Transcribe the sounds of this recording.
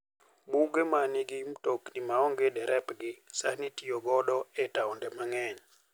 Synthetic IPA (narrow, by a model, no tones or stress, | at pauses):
buɡemaniɡimtoknimaɔŋɡedɛɾʔɛpɡɪsanitijoɡɔɗɔɛtaɔndɛmaŋɛɲ